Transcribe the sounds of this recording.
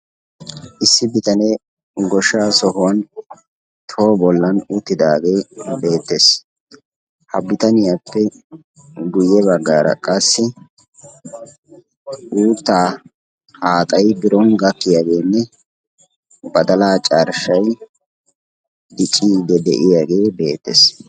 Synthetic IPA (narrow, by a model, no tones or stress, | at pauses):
ʔɪsːɪbɪt̪ʼɐneː | ɡɔʃːaːsɔhʊwɐn | t̪ʰo̞ːbɔlːɐnʊt̪ːɪd̪aːɡe̞ːbe̞ːt̪ːe̞ːs | hɐ̰bɪt̪ɐnɪjapːɛ | ɡʊjːɛbɐɡːaːɾɐ̰kʼɐsːɪ | ʔuːt̪ːaː | haːt̪ʼɐjbɪɾɔnɡɐkːɪjaːɡe̞ːnːɛ | bɐd̪ɐlaːt͡ʃʼaɾʃɐj | d̪ɪt͡ʃʼːiːd̪ɛd̪ɛ̰ʔɪjaːɡe̞ːbe̞̰ːt̪ːḛs